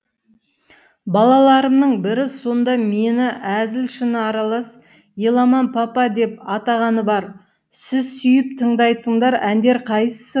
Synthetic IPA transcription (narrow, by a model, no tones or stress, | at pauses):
bɑlˠɑlˠɑɾəmnəɴbɪɾɪso̞nd̪ɑme̞nɪʔæzɪlʃɪnəɑɾɑlˠɑs | jelˠɑmɑnpʰɑpɑd̪e̞pɑt̪ɑʁɑnəbɑɾ | sɪzsʏjɪpt̪ʰəɴd̪ɑjt̪əɴd̪ɑɾænd̪e̞ɾqʰɑjssə